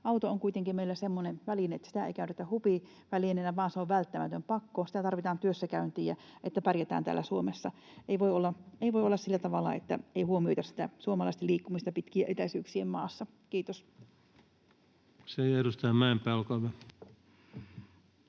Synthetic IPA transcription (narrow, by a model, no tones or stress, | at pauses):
ɑwt̪ooŋkuit̪eŋkimmeilːæsemːoneʋælineet̪ːæ̥sit̪æḛikæyt̪et̪æhupi | ʋælinenæʋɑːnseoʋʋælt̪ːæmæt̪ømpɑkːosi̥t̪æt̪ɑrʋit̪ɑːnt̪yøsːækæynt̪iːjɑʔet̪ːæpærjæt̪æ̰ːnt̪æ̰ːlːæsuomesːɑ | ʔeiʋoiolːɑeiʋoiolːɑssilːæt̪ɑʋɑlːɑ̰ḛt̪ːæ̰eihuomiojt̪ɑsi̥t̪æsuomɑlɑˑist̪eliːkːumist̪ɑpit̪kiæʔet̪æsyːksiemmɑːsːɑ | kiːt̪os | seeiedust̪æːmæˑempæːˑolkɑʋæ